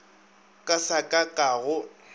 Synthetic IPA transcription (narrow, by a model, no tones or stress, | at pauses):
kʼasakʼakʼaːɣʊ